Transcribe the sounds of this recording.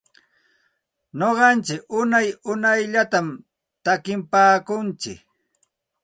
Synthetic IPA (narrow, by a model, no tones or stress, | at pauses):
ɲoɢɑnt͡ʃɪkʊnajʊnajʎat̪am | t̪akɪmpaːkʊnt͡ʃɪ̰k